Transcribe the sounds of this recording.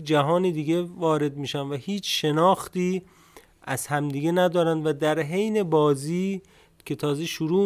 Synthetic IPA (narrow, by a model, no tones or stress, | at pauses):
d͡ʒæɦɒːniːd̪iɡe̞vɒːɾe̞d̪̚miːʃænvæhiːt͡ʃʰʃe̞nɒːxt̪iː | æz̥hæmd̪iːɡe̞næd̪ɒːɾænd̪væd̪æɾɦe̞jne̞bɒːziː | cʲʰe̞t̪ʰɒːzeʃuɾuː